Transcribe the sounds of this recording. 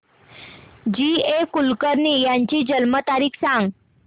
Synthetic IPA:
d͡ʑiekulkəɾniːjaɲt͡ɕiːd͡ʑəlmət̪aɾiːkʰsãŋɡ

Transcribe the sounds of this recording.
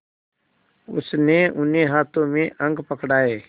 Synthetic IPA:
ʊ̰sneʊneɦaːt̪õmẽʔə̃ŋɡpəkɽaːeː

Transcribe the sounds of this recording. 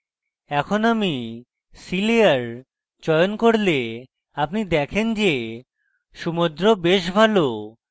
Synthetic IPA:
ɛkʰonami | siliaɾ | t͡ɕɔeonkoɾle | apnid̪ɛkʰend͡ʑe | ʃumod̪ɾobeʃbʱalo

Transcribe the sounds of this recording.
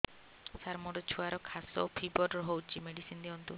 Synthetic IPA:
saɾmɔʈɔt͡ʃʰuaɾɔkʰasɔ̰pʰibɔɾɔɾɦowt͡ʃʰimeɽisind̪iɔnt̪u

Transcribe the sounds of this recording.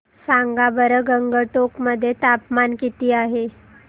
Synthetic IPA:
saŋɡabəɾəɡəŋɡəʈokməd̪ʱːjet̪apmankit̪iːaɦe

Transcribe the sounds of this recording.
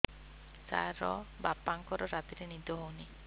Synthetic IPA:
sa̰ɾɔ̰bapːaŋkɔɾɔɾat̪iɾenid̪ʱɔɦowni

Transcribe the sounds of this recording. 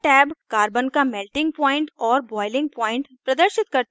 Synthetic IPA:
ʈɛːbkaːɾbənkamɛːlʈɪ̃ŋɡ̚pɔːɪ̃ɳʈɔːɾbɔːɪlɪ̃ŋɡ̚pɔːɪ̃ɳʈpɾɐd̪əɾʃɪt̪̚kɐɾt̪

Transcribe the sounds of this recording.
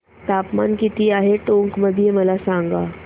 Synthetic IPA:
t̪apmankit̪iːaɦeʈõŋkməd̪ʱijeməlasãŋɡa

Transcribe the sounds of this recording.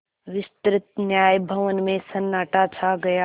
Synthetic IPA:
ʋɪst̪ɾɪt̪njaːjbʱɐʋənmẽsɐnːaːʈat͡ʃʰaɡɐja

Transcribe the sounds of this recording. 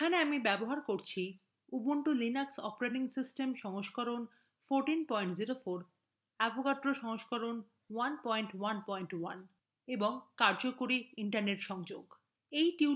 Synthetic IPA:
ekʰaneamibɛboɦaɾkoɾt͡ɕʰi | uboɳʈolinaksɔpɾeʈiŋsisʈemʃɔŋoʃkɔɾon | foɾʈinpɔjɳʈd͡ʑiɾofoɾ | ɛbʱokaʈːɾoʃɔŋoʃkɔɾon | wanpɔjɳʈwanpɔjɳʈwan | eboŋkaɾd͡ʑokoɾiiɳʈaɾneʈʃɔŋd͡ʑoɡ | ejʈi

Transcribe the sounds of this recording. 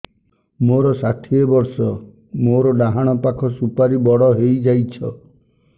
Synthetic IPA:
moɾɔsaʈʰiebɔɾsɔ | moɾɔɖaɦaɽ̃ɔpakʰɔsupaɾibɔɽɔɦejd͡ʒajt͡ʃʰɔ

